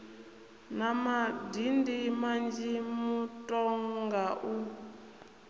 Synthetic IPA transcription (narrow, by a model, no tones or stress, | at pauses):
namadindimand͡ʒimutʼɔŋɡaʔu